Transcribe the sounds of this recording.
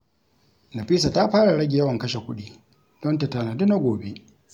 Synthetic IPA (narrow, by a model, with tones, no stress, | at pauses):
na˨ɸiː˦s̬a˨ta˦ɸaː˦ɽa˨ɽɐ˦ɡʲɪ˨ja˦wɐ˨ŋkɐ˦ʃe˨kʷʊ˦ɗi˦ | d̥ɔ˦nta˨ta˨na˨du˦na˦ɡʷoː˨be˦